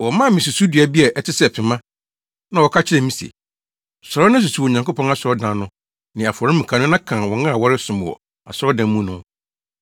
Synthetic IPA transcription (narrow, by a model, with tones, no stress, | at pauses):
wɔ˨mã˦˨mɪ̃˨su˨su˦di˨a˨bi˦ɛ˨ʔɛ˨tʰɪ˦sɛ˦˨pʰɪ̃˨mã˦ | nã˨wɔ˨kʰa˦t͡ɕʰɪ˦ɾɛ˨mĩ˦sḛ˨ | sɔ˨ɾɔ˦nã˦s̬u˨su˦wɔ˨ɲã˨ŋko˦pɔ̃˦a˦sɔ˦dã˨nʊ̃˦ | nɪ̃˨a˨fɔ˨ɾɪ̃˦mũ˨kʰã˨nʊ̃˦nã˦kʰã˨wɔ˨ŋã˦a˨wɔ˦ɾɪ˦sʊ̃˨m˨wɔ̰˨ | a̰˨sɾɔ˦dã˨˦mũ˦nʊ̃˦